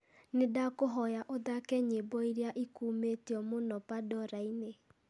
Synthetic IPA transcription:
nedakoɦɔjaʔoðakɛɲebɔiɾjaʔikuːmetiɔmonɔpadɔɾaine

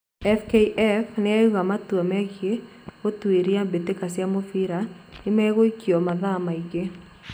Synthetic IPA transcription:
ɛfkeiʔɛfneauɣamatuamɛɣje | otweɾiambetekasiamofiɾaemɛɣoikiɔmaðamaiɣe

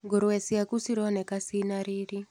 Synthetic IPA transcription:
ŋɡoɾowɛsiakusiɾɔnɛkasinaɾiɾi

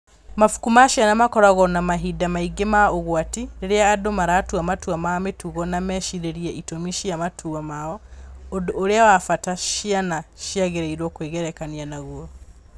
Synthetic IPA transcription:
mafu̥kumaʃanamakɔɾaɣɔnamaɦidamaiɡemaoɣwatiɾeɾeaːdomaɾatuamatuamametuɣɔnamɛʃiɾeɾiɛʔitomiʃiamatʰuamaɔodoːɾeawafataʃianaʃiaɣeɾeiɾwɔkweːɣɛɾɛkanianaɣuɔ

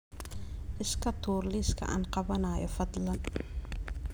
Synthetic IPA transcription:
ʔɪskʰɐt̪ʰuːrliːskʰɐ̰ʔa̰ːnqɑβɐnaːjɔ̰fɐd̪lɐn

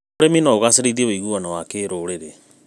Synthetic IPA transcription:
oɾeminɔoɣaseɾeiðieβoiɣuwanawakeːɾoɾeɾe

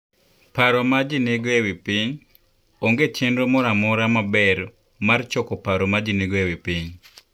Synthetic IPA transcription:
paɾɔmad͡ʒineɡoɛwipiɲ | oŋɡet͡ʃendomɔɾamɔɾamabɛɾ | mart͡ʃɔkɔpaɾɔmad͡ʒineɡoɛwipiɲ

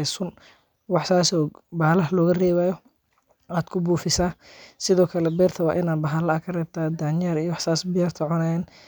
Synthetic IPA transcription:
sʊn | wɑħsaːsɔːbalɐɦlɔːɣɐrɛːβaːjɔ | aːd̪kʰʊbuːfɪsaːsɪðɔːkʰɐlɛbɛːrt̪ʰɐwɑ̰ːʔɪnaːd̪bɐɦɐlɐɐkʰɐrɛːb̚t̪ʰaːd̪aːnjaɾijɔwɑħsaːsbɪjaːrt̪ʰɐʕʊnaːjɛːn

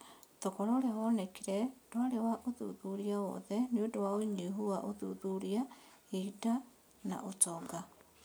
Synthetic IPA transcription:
tokɔɾoɾeɦɔnɛkiɾɛd̥oaɾewaʔoðṵðuɾiawɔ̰ðɛneodowaoiɲeɦuaʔoðṵðuɾiahida | na̰ʔot͡ʃɔɡa

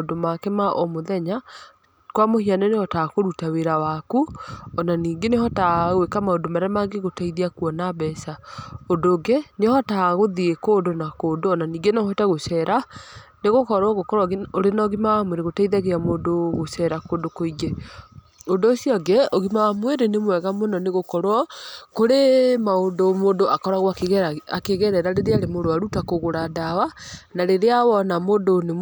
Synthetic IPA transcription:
odomakɛmaʔɔmoðɛɲa | kwamohianɛnehɔtakoɾutaweɾawakuɔnaniːɡenehɔtaɣwekamaondomaɾamaɡeɣotaiðiakuɔnaβɛsaondoːɡenehɔtaɣoðiekoːdonakoːdoɔnaniːŋɡenaɔhɔtaɣoʃɛːɾaneɣokɔɾwɔɣokɔɾwɔɣeoɾenaɣimamweɾeɣotaiðaɣeamoːdoɣoʃɛɾakoːdokoiɡɛ | ondoːsiɔɡɛɔɣimamweɾenemwɛɣamonɔneɣokɔɾwɔkoɾemaondomoːndoʔakɔɾaɣwaakeɣɛɾɛɾaɾeɾeaɾemodoaɾutakoɣoɾadawanaɾeɾeawɔnamoːndone

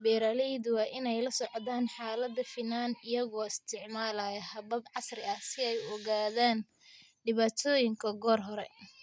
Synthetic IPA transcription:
bɛːɾaːlɛjd̪wɑːʔɪnɛjlɐsɔʕðaːnħaːlɐd̪ːɐfinaːnɪjɐɣɔːɪst̪ʰɪʕmaːlajɐhɐbɐbʕɑsrɪɐhsɪɛjɔɣaːðaːn | ɖɪβaːt̪ʰɔːjɪŋkʰɐɡɔːrɦɔɾɛ̰

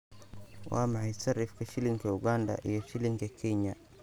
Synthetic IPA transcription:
wʔa̰mahisaɾifkiʃiliŋkɛuɡanda̰ʔijɔʃiliŋkɛkɛɲa

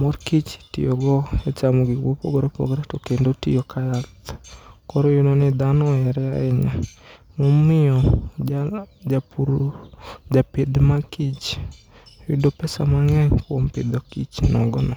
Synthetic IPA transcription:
mɔrkit͡ʃtḭjoɡɔɛt͡ʃamoɡɪwopɔ̰ɡɔɾepɔ̰ɡɾɛtokendotḭjokʰajat̪kɔɾɔjononɪd̪anɔɛɾɛaɛ̰ɲamɔmɪɔ | d͡ʒapuɾ | d͡ʒaped̪makit͡ʃ | judopɛsa̰maŋɛɲkwompḛd̪okit͡ʃnɔɡɔnɔ

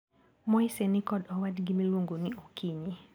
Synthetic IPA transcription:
mɔisɛnɪkɔdɔwadɡimilwoŋɡonɪokʰiɲɪ

